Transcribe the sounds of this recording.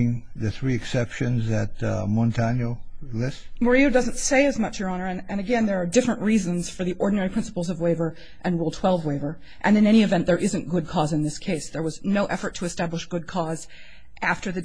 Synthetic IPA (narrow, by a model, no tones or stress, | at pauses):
ɪ̃ŋðɨθɹiɨksɛpʃɨ̃nzðɨt̚mɑ̃ntʰænjoʊlɪstmə˞ioʊdʌzɨ̃ntseɪɨzmʌt͡ʃjə˞ɑnə˞ɨ̃nɨ̃nɨɡɛ̃nðə˞ːdɪfɹɨ̃nʔɹizɨ̃nz̥fə˞ðiʔɔɹdⁿn̩ɛɹipʰɹ̥ɪ̃nsə̥pl̩ˠzʌvweɪvə˞ | ʔɨ̃nɹulˠtʰw̥ɛlˠvweɪvə˞ | ʔɨ̃nɨ̃nɛɾ̃iɨvɛ̃nðə˞ʔɪzɨ̃nɡ̥ʊd̚kʰɔzɨ̃nðɪskʰeɪsðə˞wʌznoʊʔɛfə˞tʰɨɨstæbləʃɡ̥ʊd̚kʰɔz | ʔæftə˞ðɨ